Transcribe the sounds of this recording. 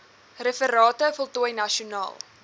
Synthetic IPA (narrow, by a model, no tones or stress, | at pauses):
rəfəɾɑːtəfɔlˠtuəjnɐʃiunɑ̰ːlˠ